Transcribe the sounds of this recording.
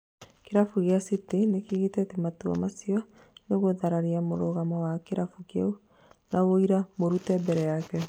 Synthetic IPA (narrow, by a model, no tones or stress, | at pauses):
keɾafuɣeasitenekiɣetɛtɛmatua̰masiɔ | neɣoðaɾaɾiamoɾoɣamɔwakeɾafukjau | nawoiɾamoɾutɛbɛɾɛjakɛ